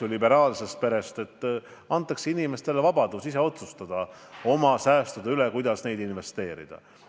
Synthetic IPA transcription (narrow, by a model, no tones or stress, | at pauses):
ulibe̞ɾɑːlse̞st̪̚pe̞ɾe̞st̪e̞t̪ː | ɑnt̪ːˑɑkseinime̞st̪e̞levɑbɑd̪̥usiseo̞t̪sust̪ɑd̪̥ɑ | o̞mɑsæːst̪ud̪eylekujd̪̥ɑsne̞jd̪inve̞st̪e̞ːɾḭd̪̥ɑ̰